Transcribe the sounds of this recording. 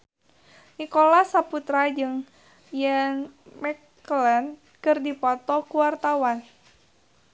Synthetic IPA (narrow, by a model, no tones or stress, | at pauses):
nikolasaput̪ɾad͡ʒɨŋ | jɛnmɛk | lɛn | kɨrdipɔt̪ɔkuwart̪awan